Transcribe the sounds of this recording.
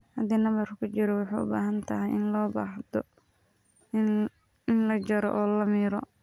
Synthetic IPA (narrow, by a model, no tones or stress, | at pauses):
hɐd̪iːnɐmɐrkʰʊt͡ʃɪɾɔwɑħɑ̰ːʊ̰ba̰ːɦɐnt̪ʰɐɦɛjʔɪnlɔːba̰ːħd̪ɔ | ɪnlɐt͡ʃɐɾɔ̰ʔɔːlɐmiːɾɔ